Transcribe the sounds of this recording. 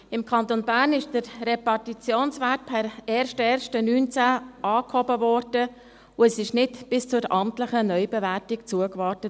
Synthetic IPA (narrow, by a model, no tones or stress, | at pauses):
ɪmkʰɑnt̪onbæːrnɪʃd̥əɾɾepɑrtit͡sjoːnsʋæɾt̚pʰɛɾɛːɾʃtɛːɾʃtənyːnt͡sæːʔɑːkhɔbəvɔrd̥ə | ʊɛsɪʃnɪtb̥ɪst͡sʊɾɑmtləχənœʏbɛvæɾtɪkt͡suəkʋɑːɾtət